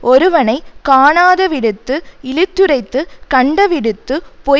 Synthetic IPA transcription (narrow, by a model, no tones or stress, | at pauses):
ɔɾɯʋɐnɐɪkaːɳaːðɐʋɪɽɯt̪ːɯɪlɪt̪ːɯɾɐɪt̪ːɯkɐɳɖɐʋɪɽɯt̪ːɯpɔ